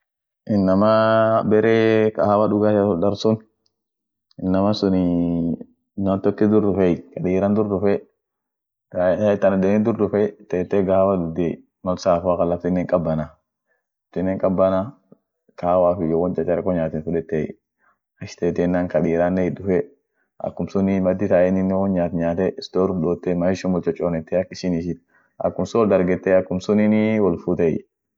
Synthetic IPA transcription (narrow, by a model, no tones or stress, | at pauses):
ʔɪnːɐmabɛɾɛka̰hawaɗʊɡatasɔdɐɾsʊn | ɪnːɐmɐsʊnɪ | nːant̪ɔkːɪd̪ʊɾdʊfɛjkɐɗiːɾɐnd̪ʊɾdʊfɛ | ɡat̪ːɐnad̪ɛnɪd̪ʊɾdʊfɛt̪ɛːt̪ːɛɡahawadʊd̪ɛ | mɐlsaːfakɐlɐftɪnːɛŋkʼɐbːɐna | lɐft̪ɪnːeːŋkʼɐbːɐna | kaːwaːfɪjɔwɔnd͡ʒʼɐt͡ʃːɛɾɐkːɔɲaːt̪ɪnfʊᶑɛt̪ːɛj | ɐʃt̪eːt̪ɛnːaŋkɐɗiːɾaːnːɛhɪdʊfɛ | ʔɐ̰kːʊmsʊnimɐd̪ːɪt̪aɛnɪnːɛwɔnɲaːt̪ɲaːt̪ɛɪst̪oːɾdoːt̪ːɛmahɪʃɔmɔlt͡ʃʼɔt͡ʃʼːoːnɛt̪ːɛɐkːɪʃɪnɪʃɪt | ɐ̰kːʊmsʊwɔld̪ɐɾɡɛt̪ːɛɐkːʊmsʊnɪniwɔlfʊt̪ɛj